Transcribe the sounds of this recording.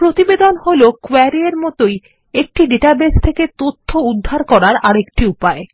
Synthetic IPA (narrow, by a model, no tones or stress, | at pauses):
pɾot̪ibed̪onholokɛɾieɾmɔt̪oj | ek̚ʈiɖeʈabest̪ʰeket̪ot̪ʰːoud̪ʱːaɾkɔɾaɾaɾekʈiupae